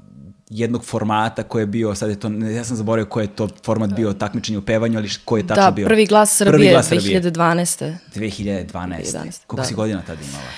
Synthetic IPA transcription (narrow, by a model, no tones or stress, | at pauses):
jɛd̪noɡ̥foɾmaːt̪akojebiosad̪jet̪oːjaːs̬amzaboɾajokojjet̪oːfoɾmat̪biot̪akmit͡ʃeɲeupeːʋaɲualikojet̪aaobiopr̩ʋiɡlˠaːsːr̩pr̩ielaːserbiiiʎad̪ed̪ʋaːnɛst̪ed̪ʋexiʎad̪ed̪ʋa̰ːnaḛseskolkosiɡod̪inat̪ad̪aḭma̰la̰